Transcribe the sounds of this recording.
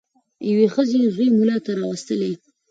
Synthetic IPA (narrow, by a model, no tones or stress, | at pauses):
jawexəzeʒwemulɑt̪aɾɑwast̪əle